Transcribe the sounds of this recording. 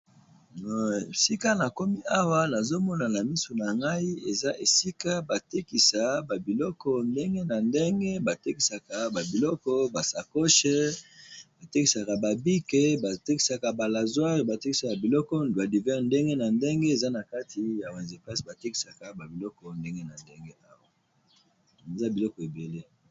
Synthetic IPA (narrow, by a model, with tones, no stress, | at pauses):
si˦ka˦na˨ko˦mi˦a˦wa˦na˨zo˦mɔ˦na˨na˨mi˦so˨na˨ŋɡa˦i˦e˨za˦ʔe˨si˦ka˦ba˨te˦ki˨sa˨ba˨bi˨lɔ˦kɔ˦nde˦ŋɡe˦na˨nde˦ŋɡe˦ba˨te˦ki˨sa˨ka˨ba˨bi˨lɔ˦kɔ˦ba˨sa˨ko˦ʃe˦ | ba˨te˦ki˨sa˨ka˨ba˨bi˦ke˦ba˨te˦ki˨sa˨ka˨ba˨la˨zwa˦ʁi˨ba˨te˦ki˦sa˨ba˨bi˨lɔ˦kɔ˦ba˨di˨vɛ˦ʁnde˦ŋɡe˦na˨nde˦ŋɡe˦e˨za˦na˨ka˦tʰi˨ja˨wɛ̃˨nze˨pa˦sba˨te˦ki̥˨sa˨ka˨ba˨bi˨lɔ˦kɔ˦nde˦ŋɡe˦na˨nde˦ŋɡe˦ʔa˦wa˨ | e˨za˦bi˨lɔ˦kɔ˨e˨be˨le˦